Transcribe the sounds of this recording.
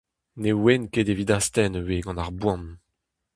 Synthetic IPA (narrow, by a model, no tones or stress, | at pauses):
newenkedevid̪ast̪ɛnəweɡɑ̃naʁbwɑ̃n